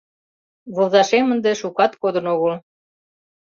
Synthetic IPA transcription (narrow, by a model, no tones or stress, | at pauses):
βozɑʃemənd̪eʃukɑt̪kod̪ə̆noɣəl